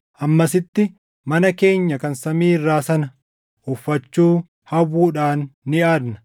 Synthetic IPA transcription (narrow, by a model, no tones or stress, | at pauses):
ʔɐmːɐsɪt̪ːɪ | mɐnɐke̞ːɲːɐkɐnsɐmiːɪrːaːsɐnɐ | ʔʊfːɐt͡ʃːuː | hɐwuːᶑaːnːɪaːd̪nɐ̥